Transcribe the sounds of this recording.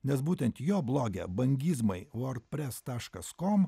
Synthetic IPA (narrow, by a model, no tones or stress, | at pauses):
nʲɛsbuːt̪ʲɛnt̪joːblˠoːɡʲɛ̰bɐŋʲɡʲiːzmɐɪʋoːɾt̪pʲɾʲɛst̪ɑːʃkɐskɔm